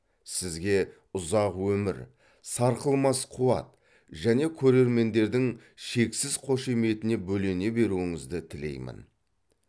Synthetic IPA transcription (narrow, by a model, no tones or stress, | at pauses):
sɪzɡʲe̞ | ʊzɑqwɵmɪɾ | sɑɾqəlˠmɑsqʰuwɑ̰t̪̚ | ʒæne̞kʲʰɵɾe̞ɾme̞nd̪e̞ɾd̪ɪŋ | ʃe̞ksɪzqʰo̞ʃe̞me̞t̪ɪne̞bɵle̞ne̞be̞ɾuɪŋɪzd̪ɪt̪ʰɪle̞̰jmɪ̰n